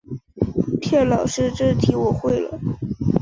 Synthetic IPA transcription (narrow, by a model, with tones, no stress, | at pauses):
pʰjɛ˥˩lɑ˨˩ʊʂɻ̩˥˧ʈ͡ʂɻ̩˥˩t̪ʰi˧˥wɔ˨˩xwe˥˩ɪlə̰˩